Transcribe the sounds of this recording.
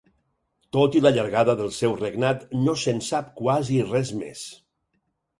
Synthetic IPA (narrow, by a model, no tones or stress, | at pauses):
t̪ot̪iləʎəɾɣaðəðəlˠsɛwreɡnat̪nosənsap̚kwazirɛzmḛs